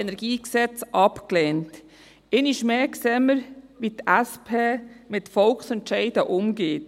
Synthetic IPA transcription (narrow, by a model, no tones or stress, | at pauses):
ɛnɛɾɡ̥iːksɛt͡sʔɑpkleːnt | eːnɪʃmeːksɛməɾʋitæspʰeːmɪtfɔlksɛntʃɛɪdəʔʊmɡeːt